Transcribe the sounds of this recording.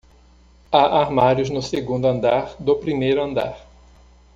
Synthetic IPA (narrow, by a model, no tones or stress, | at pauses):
aʔaɾmaɾjʊznʊseɡũnd̪ʊɐ̃nd̪aɾd̪ʊpɾimejɾʊɐ̃nd̪a̰ɾ